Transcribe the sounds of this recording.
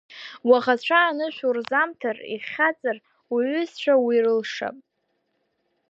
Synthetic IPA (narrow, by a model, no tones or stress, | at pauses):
waʁat͡ɕʷʰaːnɨʃʷᶣurzamtʰarḭχʲat͡sʼar | wiɥʏzt͡ɕʷʰawirɨlʂa̰pʼ